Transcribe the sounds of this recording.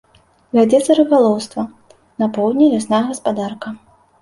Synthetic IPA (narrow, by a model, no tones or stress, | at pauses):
vʲad͡zʲɛt̪sɐɾɨbalˠɔwst̪vɐ | nɐpɔwd̪ʲnʲilʲasnajɐɣɐspad̪arkɐ